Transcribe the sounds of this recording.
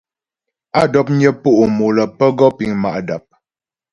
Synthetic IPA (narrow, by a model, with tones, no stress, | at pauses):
a˦˨dɔ˦p̚ɲjə˦pu˦ʔu˨mo˨lə˨pə˦ɡɔ˦pi˨ŋma̰˨ʔda˨p̚